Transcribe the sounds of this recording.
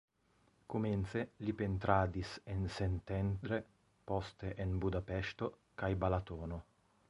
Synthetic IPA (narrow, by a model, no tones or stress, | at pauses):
kumɛnt̪selipent̪ɾaːd̪isensent̪ɛnd̪ɾe | pɔst̪eʔenbud̪apɛʃt̪o | kajbalat̪ɔːno